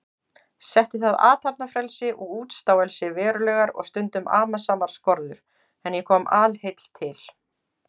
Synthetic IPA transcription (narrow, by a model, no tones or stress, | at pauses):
sɛht̪ɪθaða̰ːt̪apnafɾɛlsɪʔɔɣuːt̪st̪aːwɛlsɪvɛːɾʏlɛːɣaɾɔ̰ɣst̪ʏnt̪ʏmʔa̰ːmasaːmaɾ̥skɔɾðʏɾ̥ | ɛnjɛkʰɔːmaːlhejt̪l̥t̪ʰɪl